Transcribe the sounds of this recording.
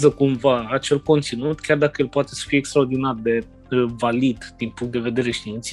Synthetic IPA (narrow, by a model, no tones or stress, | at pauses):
zəkumvaːt͡ʃe̞lko̞nt̪sinut̪kʲard̪akəjelpoat̪e̞sə̥fijekst̪ɾaord̪inard̪e̞ | valid̪d̪̥inpuŋkt̪d̪e̞ve̞d̪e̞ɾeʃt̪iint̪s